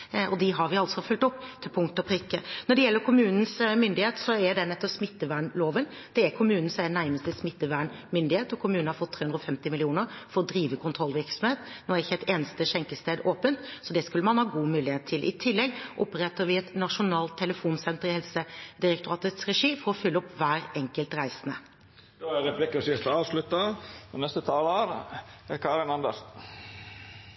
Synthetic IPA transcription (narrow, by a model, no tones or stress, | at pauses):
ʔɔd̪ɪɦɑɾʋɪɑlsɔfʉlt̪ɔpːt̪ʰɪlpʰʊŋkt̪ɔpʰɾɪkːənɔɖɛjɛlːəɾkʰʊmʉːnən̩smʏnd̪ɪheːt̪sɔæɖɛnɛt̪ːɔpsmɪt̪ːəʋæːɳloːʋən | d̪̥ɛæɾkʰʊmʉːnn̩sɛnæɾməst̪əsmɪt̪ːəʋæːɳmʏnd̪ɪheːt̪ɔkʰʊmʉːnnhɑɾfɔt̪ʰːeːʉnd̪ɾɔfɛmt̪ɪmɪlɪuːnəɾfɔɾɔd̪ɾiːʋəkʰʊnt̪ʰɾɔlːʋɪɾksɔmheːt̪noːæɾɪçːəɛt̪eːnəst̪əʂɛŋkəst̪eːd̪oːpənt̪sɔd̪ɛskʉlːəmɑnhɑːɡuːmʉːlɪheːt̪ʰːɪlʔɪ̰t̪ʰɪlːɛɡʔɔpɾɛt̪ːəɾʋɪɛt̪nɑʂʊnɑːlt̪ʰːɛləfuːnsɛnt̪əɾɪhɛlsəd̪ɪɾɛk̚t̪ʊʁɑːt̪ət̪sʁɛʂiːfɔɾɔfʏlːəɔpʋæːɾɛŋkəlt̪ʁæɪsənə̰ | d̪̥oæɾɛplɪkɑsɪʁt̪ɑːʋslʉt̪ːɑɔnɛst̪ət̪ʰɑːloːɾkʰɑːɾɪnɑnd̪əʂ